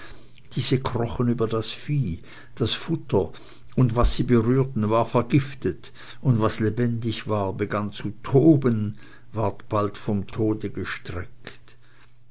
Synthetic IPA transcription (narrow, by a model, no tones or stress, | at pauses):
d̥iːzəkʁ̥ɔχənyːbɐdasfiː | d̥asfʊtʰɐ | ʔʊndvasːiːbəʁyːɐtn̩vaːɐfɛɐɡɪftət | ʊndvaslebɛndɪçv̥aːɐbəɡant͡sutʰoːbən | vaɐtb̥altfɔmtʰoːdəɡəʃtʁ̥ɛkt